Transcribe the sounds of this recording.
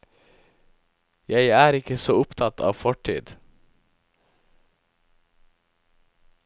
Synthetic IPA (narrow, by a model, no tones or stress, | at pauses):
jæɪæːɾɪkəsoːʊpt̪ʰɑt̪ʰɑ̰ːʋfɔʈʰḭːd̪